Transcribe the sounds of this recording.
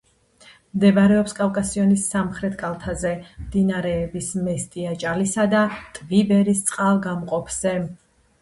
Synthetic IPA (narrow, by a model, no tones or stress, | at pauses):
md̪ɛvaɾɛɔpskʼavkʼasiɔnisːamχɾɛt̪ʰʼkʼalˠt̪ʰazɛmd̪inaɾɛːbismɛst̪ʼiat͡ʃʼalisad̪at̪ʼvibɛɾist̪sʼqʼalˠɡamqʼɔpʰz̥ɛ